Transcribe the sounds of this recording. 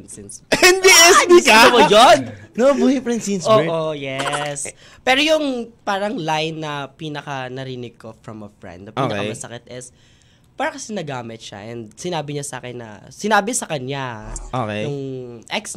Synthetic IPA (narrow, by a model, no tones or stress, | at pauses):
nsinsɛnd̪iɛsd̪iaɐpojonnobuhɪpɾɛnsinsoːʔojɛs | pɛːɾojʊŋpaːɾɐŋlajnːɐpiːnɐkɐnɐɾiːnɪɡ̚kofɹɐmɐfɹɛ̰̃nd̪opʔːnɐkɐɐsɐkɪt̪̚ʔɪs | paːɾɐkɐsɛnɐɡaːmɪt̪̚ʃa̰ʔɛnd̪̚sɪnaːbɪɲasa̰ːkɛnːɐ̰sɪnaːbɪsɐkɐɲjaʔokejjʊŋʔɛks